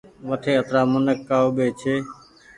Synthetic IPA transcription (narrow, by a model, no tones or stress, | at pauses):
ʋət̪ʰeːət̪ɾaːmʊnəkːaːoːɓeːt͡ʃʰeː